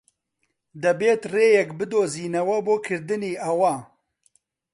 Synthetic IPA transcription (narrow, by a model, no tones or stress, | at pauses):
d̪ɛbeːt̪reːjɛkbɨd̪oːziːnɐwɐboːkʰɨɾd̪ɨniːʔɐwa